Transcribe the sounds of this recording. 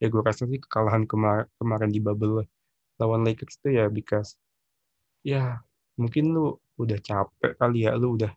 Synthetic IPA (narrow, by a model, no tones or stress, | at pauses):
jaɡuaɾasalsɪhkə̥kalaɦankəmakəmaɾɪndibabəlːah | lawanlaikətst̪ujabikas | ja | muŋkɪnlʊ | udaht͡ʃapɛ̰ʔkalia̰ʔluudah